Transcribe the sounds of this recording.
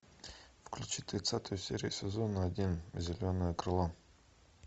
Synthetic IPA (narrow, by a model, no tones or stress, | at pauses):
fklʲʉt͡ɕit̪ɾʲɪt̪sat̪əjʊsʲeɾʲɪʊsʲɪzonəɐdʲinzʲɪlʲonəjəkɾɨlˠa